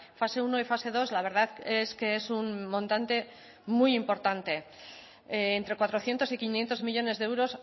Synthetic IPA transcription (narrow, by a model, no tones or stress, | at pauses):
fase̞unoifase̞ðo̞zlaβe̞ɾðaðeske̞esunmõnt̪ant̪e̞ | mujimpo̞ɾt̪ant̪e̞ | nt̪ɾe̞kwat̪ɾo̞θje̞nt̪osikinje̞nt̪o̞zmiʎo̞ne̞zðewɾo̞s